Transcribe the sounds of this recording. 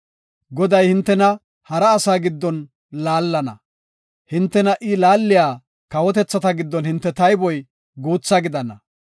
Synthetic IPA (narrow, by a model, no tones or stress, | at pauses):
ɡɔd̪ɐjhɪnt̪ːɛnɐ | hɐɾɐːsaːɡɪd̪ːɔn | laːlːɐnɐ̰ | hɪnt̪ːɛnɐʔɪlaːlːɪjaː | kɐwɔt̪ɛt͡sːɐt̪ɐɡɪd̪ːɔnhɪnt̪ːɛt̪ɐjbɔj | ɡuːt͡sːaɡɪd̪ɐnɐ